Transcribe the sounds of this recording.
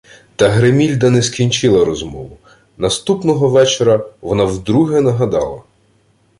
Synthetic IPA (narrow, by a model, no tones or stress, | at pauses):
t̪ɐɦɾemʲilʲd̪ɐnɛskʲinʲt͡ʃɪlˠɐɾɔzmɔʋʊ | nɐst̪upnɔɦɔʋɛt͡ʃeɾɐʋɔnɑwd̪ɾuɦɛnɐɦɐd̪ɑlˠɐ̰